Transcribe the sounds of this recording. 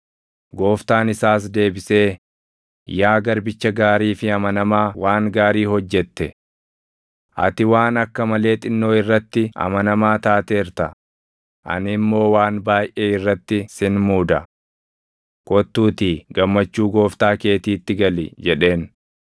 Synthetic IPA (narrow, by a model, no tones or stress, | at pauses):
ɡo̞ːft̪aːnɪsaːs̬d̪e̞ːbɪse̞ː | jaːɡɐɾbɪt͡ʃːɐɡaːɾiːfɪɐmɐnɐmaːwaːŋɡaːɾiːhɔd͡ʒːɛt̪ːɛ | ʔɐ̰t̪ɪwaːnɐkːɐmɐle̞ːt̪ʼɪnːo̞ːɪrːɐt̪ːɪɐ̰mɐnɐmaːt̪aːt̪eːɾt̪ɐ | ʔɐ̰nɪmːo̞ːwaːnbaːjʔeːɪrːɐt̪ːɪsɪnmuːd̪ɐ | kɔt̪ːuːt̪iːɡɐmːɐt͡ʃːuːɡo̞ːft̪aːke̞ːt̪iːt̪ːɪɡɐlɪd͡ʒɛᶑe̞ːn